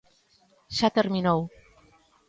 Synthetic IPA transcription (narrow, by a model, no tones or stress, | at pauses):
ʃat̪eɾminow